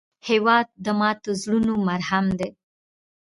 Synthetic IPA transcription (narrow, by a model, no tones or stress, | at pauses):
hewɑd̪̚ːəmɑt̪ozɽunomaɾhamd̪e